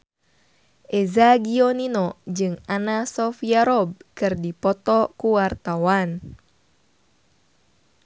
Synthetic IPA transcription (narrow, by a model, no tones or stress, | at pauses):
ʔezaɡiɔninɔd͡ʒɨŋanasɔfiaɾɔb̚kɨrdipɔt̪ɔkuwart̪awan